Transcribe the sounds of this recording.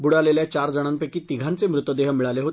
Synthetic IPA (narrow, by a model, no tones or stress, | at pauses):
buɽaleljat͡ɕaɾd͡zəɽ̃anpekiːt̪iɡʱãnt͡semɾut̪ʋəd̪eɦmiɭaleɦot̪